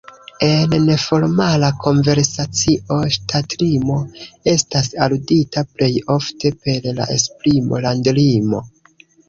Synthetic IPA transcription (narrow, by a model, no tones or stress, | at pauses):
e̞nnefo̞ɾmalakʰo̞nve̞ɾsat͡siʔo̞ʃtʰatlimo̞e̞stasaluditaple̞jo̞fte̞pe̞ɾla̰ʔḛspɾimo̞̰landlimo̞̰